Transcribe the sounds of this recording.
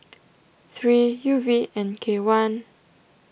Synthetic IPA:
θɹijuviʔɛ̃nkʰewãn

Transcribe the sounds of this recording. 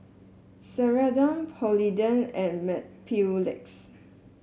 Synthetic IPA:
sɛɹadãmpʰɔlidə̃nɛ̃nmɛpʰulɛ̰ks

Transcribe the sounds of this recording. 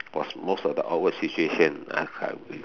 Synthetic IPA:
wɔsmostɔvdəʔaʊt̚wədsit͡ʃueʃə̃na̰ka̰

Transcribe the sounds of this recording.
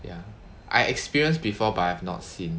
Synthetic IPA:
ja̰ | ʔa̰jɛkspiɹiə̃nsbifɔbatahɛvnɔ̰tsĩn

